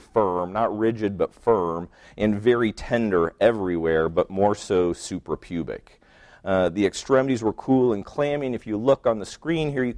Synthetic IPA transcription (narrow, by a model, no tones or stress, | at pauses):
fɜ̃˞mnət̚ɹɪd͡ʒɨd̚bʌtfɜ̃˞m | ʔɨ̃nvɛɹitʰɛ̃ndə˞ɛvɹiwɛɹbʌt̚mɔɹsoʊsʉpɹəpʰj̥ʉbɪ̰k | ðiɨkstɹ̥ɛmɨɾizwə˞kʰulˠə̃nkʰl̥aæ̃ɪ̃mɪ̃ŋɨfjɨlʊkn̩ðəskɹĩnɦiɹjɨ